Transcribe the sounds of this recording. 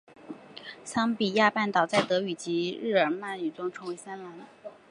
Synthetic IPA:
sɑ˥ŋpi˨˩ja˥˧pa˥˩nt̪ɑ˨˩ʊt͡sa˥˩ɪt̪ɤ˧˥y˨˩t͡ɕi˧˥ɻɻ̩˥˩ə˞˨˧˩ma˥˩ny˨˩t͡sʊ˥ŋʈ͡ʂʰɤ˧˥ŋwe˧˥ɪsa˥nla˧˥n

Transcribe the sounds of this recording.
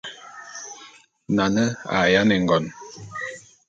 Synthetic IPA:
na˨nə˦a̰˨ja˦nɛ˨ŋ˨ɡɔ˨n

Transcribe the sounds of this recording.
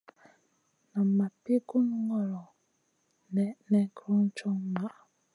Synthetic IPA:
na˨a˨pi˦ɡu˦n˦ŋɔ˨ɾɔ˨ | n˨nɛ˦kɾu˦n̩˦t͡ʃɔ˦ŋ˦ma˨

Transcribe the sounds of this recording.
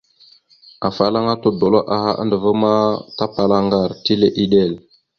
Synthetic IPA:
a˨fa˨la˦ŋa˦to˨do˨lo˦ʔa˨ɦa̰˦ʔə̰˦ndə˨və˦ma˦ta˦pa˨la˦ŋɡa˨ɾti˦le˨ʔi˦ɗe˦˨l

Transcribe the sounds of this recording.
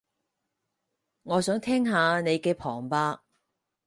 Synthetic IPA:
ŋɔː˨˧sœː˨˥ŋt̪ʰɛː˥ŋɦaː˨˧ne˨˧jkɛː˧pʰɔː˨˩ŋpaː˧

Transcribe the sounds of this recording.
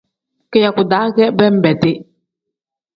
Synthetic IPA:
kɛ˨ja˨ku˨daː˨˦kɛ˦bɛ˦m̩˦bɛ˨t̪ɪ˦

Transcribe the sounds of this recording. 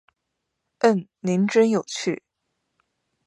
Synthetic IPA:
ə˥˩nni˧˥nʈ͡ʂə˥njo˨˩ʊt͡ɕʰy˥˩

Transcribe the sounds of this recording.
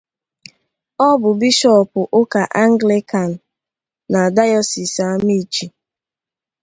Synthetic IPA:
ɔ˦bʊ˨bi˦ʃɔ˦˨pʊ˨ʔʊ˦ka˨ʔa˦ŋ̩˦ɡle˦ka˨n̩˨ | na˨da˦jɔ˦si˨sa˦mi˦˨t͡ʃi˨

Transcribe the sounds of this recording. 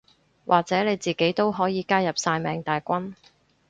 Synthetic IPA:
wʔaː˨k̚t͡sɛː˨˥ne˨˧jt͡siː˨ke˨˥jt̪o˥wɦɔː˨˥jiː˨˧kaː˥jɐ˨p̚saː˧jmɛː˨ŋt̪aː˨jkʷɐ˥n

